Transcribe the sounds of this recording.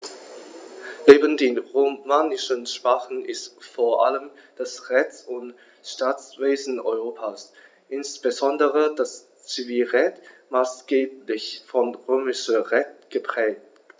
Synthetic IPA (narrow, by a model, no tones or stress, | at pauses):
neːbən̩deːnʁomaːnɪʃənʃpaːχn̩ʔɪstfoːɐʔa̰ləmd̥asʁɛt͡sʊnt | ʃtaːt͡sv̥eːzn̩ɔ̰ʏʁoːpʰaːs | ʔɪnsb̥əzɔndəʁədas | t͡siviːlʁɛtmaːsɡ̥eːplɪçfɔnʁøːmɪʃəʁɛtɡ̥əpʁ̥ɛːk̚t